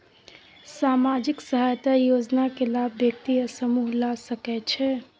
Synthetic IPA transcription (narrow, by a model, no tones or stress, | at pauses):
samad͡ʒiksəɦajt̪ajod͡ʒnakelabːjək̚t̪iəsəmuɦlasəkɛt͡ʃʰɛ